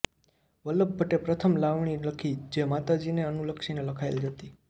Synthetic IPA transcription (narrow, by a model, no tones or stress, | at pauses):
ʋələbːəʈepɾət̪ʰəmlaʋɳ̃iləkʰid͡ʒemat̪ad͡ʒineənuləkʃineləkʰaḛld͡ʒət̪i